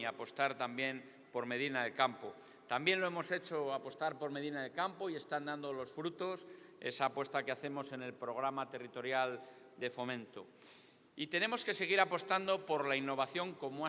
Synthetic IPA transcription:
apo̞st̪aɾt̪ambje̞n | po̞ɾme̞ð̞inaðelkampo̞ | t̪ambje̞nloe̞mo̞se̞t͡ʃo̞apo̞st̪aɾpo̞ɾme̞ðinaðe̞lkampo̞ie̞st̪and̪and̪o̞lo̞sfɾut̪o̞se̞̰saːpwe̞st̪akeaθe̞mo̞se̞ne̞lpɾo̞ɣ̞ɾamat̪e̞rit̪o̞ɾjal | d̪e̞fo̞mẽ̞nt̪o̞ | it̪ene̞mo̞ske̞se̞ɣ̞iɾapo̞st̪and̪o̞po̞ɾlainːo̞β̞aθjo̞ŋko̞moa

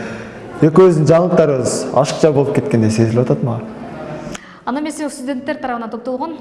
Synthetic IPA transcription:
e̞kʲwɵʏzd̪ɪnd͡ʒɑɴlˠəq̚t̪ɑɾəʁəzɑ̰ʃə̥qt͡ʃʰɑbo̞lˠəpkʲʰe̞t̪kʲe̞nd̪ese̞zɪlpwɑt̪ɑt̪mɑʁ | ɑnɑmesest̪ud̪ʲe̞nt̪ːeɾt̪ʰɑɾɑpənɑnt̪ʰop̚t̪olˠʁon

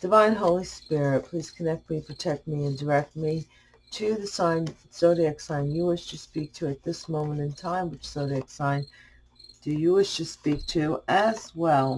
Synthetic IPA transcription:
d̥ɨvãɪ̃nɦoʊlˠispɪɹɪt̚pʰl̥iz̥kʰɨnɛk̚t̚mipʰɹ̥ɨtʰɛk̚t̚miɨ̃ndə˞ɛk̚t̚mi | ɾɨðɨsãɪ̃n | soʊɾiɨksãɪ̃njɨwɪʃtʰɨspik̚tʰɨɨt̪̚ðɪsmõʊ̃mə̃ñɨ̃ntʰãɪ̃mwɨt͡ʃsoʊɾɨɨksãɪ̃n | d̥ɨjɨwɪʃtʰɨspik̚tʰʉɨzwɛlˠ

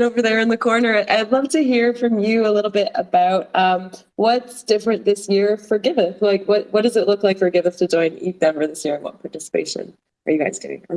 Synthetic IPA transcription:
oʊvə˞ðə˞ɨ̃nðɨkʰɔɹnə˞ʔaɪdˡlʌv̥tɨɦiɹfɹʌ̃mjɨəlɪɾl̩ˠbɪɾəbaʊt̚ʌ̃m | wʌtsd̥ɪfɹɨ̃nðɪsjɪɹfə˞ɡɪvɨθlaɪkwʌt̚wʌt̚d̥ʌzɨʔˡlʊklaɪkfə˞ɡɪvɨθtʰɨd͡ʒɔ̃ɪ̃nḭvɛ̃mbə˞ðɪsjɪɹɨ̃nwʌ̰̃npʰɑɹtɪsə̥pʰḛɪʃɨ̰̃n | ʔə̰˞jɨɡaɪz̥dḛɪ̰̃ŋ

